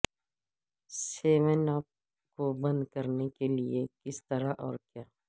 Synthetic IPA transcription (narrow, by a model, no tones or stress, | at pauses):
seːmenaːp̚ | kobɐ̃nd̪kɐɾnekeliekɪst̪ɐɾaʔɔːɾkjaː